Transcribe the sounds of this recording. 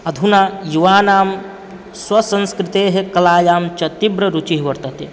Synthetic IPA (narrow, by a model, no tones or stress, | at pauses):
ɐd̪ʱunaːjuʋaːnaːm | swɐsɐ̃nskɾɪt̪eːɦekɐlaːjaːmt͡ʃɐt̪ibɾɐɾut͡ʃiɦʋɐɾt̪ɐt̪e